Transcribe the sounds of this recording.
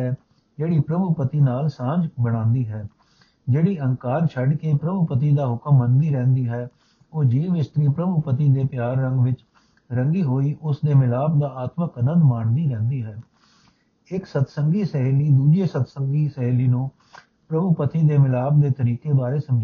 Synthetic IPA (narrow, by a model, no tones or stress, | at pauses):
ɛː | d͡ʒeːɽiːpɾəbʊpət̪iːnaːlsãːd͡ʒbəɽ̃ãːnd̪iːɦɛː | d͡ʒeːɽiːəŋkaːɾt͡ʃʰəɖkeːpɾəbʊpət̪iːd̪aːɦʊkəmːənd̪iːɾɛ̃ːnd̪iːɦɛː | oːd͡ʒiːʋɪst̪ɾiːpɾəbʊpət̪iːd̪eːpjaːɾːəŋɡʋɪt͡ʃ | ɾə̃ŋɡiːɦoːiːʔʊsd̪eːmɪlaːb̚d̪aːaːt̪məkənə̃nd̪maːɳd̪iːɾɛ̃ːnd̪iːɦɛː | ɪksət̪səŋɡiːsɛɦːliːd̪uːd͡ʒeːsət̪səŋɡiːsɛɦːliːnũː | pɾəbʊpət̪iːd̪eːmɪlaːb̚d̪eːt̪əɾiːkeːbaːɾeːsəmd͡ʒ